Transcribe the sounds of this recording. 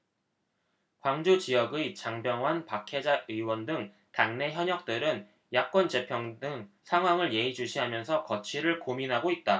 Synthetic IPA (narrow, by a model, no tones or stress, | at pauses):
kwaŋd͡ʑot͡ɕiʌɡɯt͡ɕaŋbjʌŋwanpakʰe̞d͡ʑaɯwʌndɯŋ | taŋne̞çjʌɲʌk̚t͈ɯɾɯn | jak̚k͈wʌnd͡ʑe̞pʰjʌŋdɯŋsʰaŋɦwaŋɯɭje̞id͡ʑuɕʰiɦamjʌnsʰʌkʌt͡ɕʰiɾɯɭkominɦaɡoit̚t͈a